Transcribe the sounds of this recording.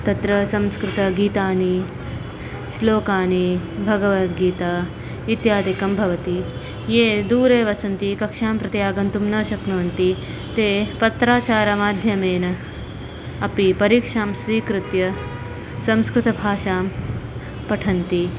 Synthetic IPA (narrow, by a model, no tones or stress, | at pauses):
t̪ɐt̪ɾɐsɐ̃mskɾɪt̪ɐɡiːt̪aːni | ʃloːkaːnibʱɐɡɐʋɐt̪ɡiːt̪aː | it̪jaːd̪ikɐmbʱɐʋɐt̪i | jeːd̪uːɾeːʋɐsɐnt̪ikɐkʂaːmpɾɐt̪jaːɡɐnt̪umnɐːʃɐknɐʋɐnt̪i | t̪eːpɐt̪ɾaːt͡ʃaːɾɐmaːd̪ʱjɐmeːnɐ | ɐpipɐɾiːkʂaːmsʋiːkɾɪt̪jɐ | sɐ̃mskɾɪt̪ɐbʱaːʃaːm | pɐʈʰɐnt̪i